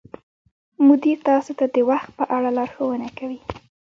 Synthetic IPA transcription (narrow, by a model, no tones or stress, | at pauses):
mʊd̪iɾt̪ɑsot̪ad̪əwaxt̪̚pəʔaɽalɑɾxowənakawi